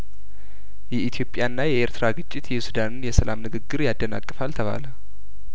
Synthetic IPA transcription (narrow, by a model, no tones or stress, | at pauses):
jɛit̪ʰijo̞pʼjanːajɛʔeɾt̪ɨɾaɡɨt͡ʃʼːɪt̪jɛsud̪anɨnjɛsəlamnɨɡɨɡːɨɾjad̪ːəna̰kʼːəfalt̪ʰəβa̰lə